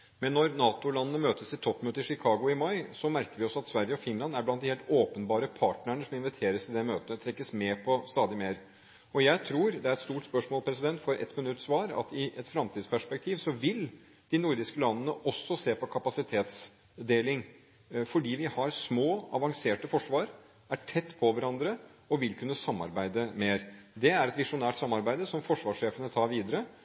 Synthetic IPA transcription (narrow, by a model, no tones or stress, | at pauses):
mɛnːɔɾnɑːt̪ʊlɑnːənəmøːt̪əsɪt̪ʰːɔpːmøːt̪əɾʂɪkʰɑːɡʊɪmɑɪsɔmæɾkəɾʋɪɔsɔɑt̪sʋæɾjəɔfɪnlɑnd̪æblɑnt̪d̪ɪheːlt̪oːpənbɑːɾəpʰɑːʈnəɳəsɔmɪnʋɪt̪ʰeːɾəsɪd̪ɛmøːt̪əət̪ʰɾɛkːəsmeːpʰɔst̪ɑːd̪ɪmeːɾ | ɔjæɪt̪ʰɾuːɾd̪ɛæɾɛt̪st̪uːʈspœʂmoːlpʰɾɛsɪd̪ɛnt̪fɔɾʔɛ̰t̪mɪnʉt̪sʋɑːɾɑ̰t̪ɪʔɛt̪fɾɑmt̪ʰiːd̪spʰæʂpɛk̚t̪ʰiːʋsɔʋɪl | d̪̥ɪnʊɾd̪ɪskəlɑnːənəʔɔsːɔseːpɔkʰɑpɑsɪt̪ʰeːt̪s | d̪eːlɪŋ | fɔɖiːʋɪhɑɾsmoːɑ̰ʋɑŋseːʈəfɔʂʋɑːɾ | æʈʰɛt̪ːpʰɔʋæɾɑnd̪ɾə | ɔʋɪlkʰʉnːəsɑmːɑ̰ɾbæɪd̪əmeːɾd̪ɛæɾɛt̪ʋɪʂʊnæːʈsɑmːɑɾbæɪd̪əsɔmfɔʂʋɑːʂʂeːfənət̪ʰɑːɾʋiːd̪əɾə